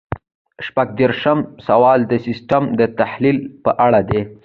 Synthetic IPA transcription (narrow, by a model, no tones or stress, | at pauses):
ʃpaɡ̚d̪eɾʃamsawɑld̪əsɪsʈamd̪ət̪ahlilpəʔaɽad̪e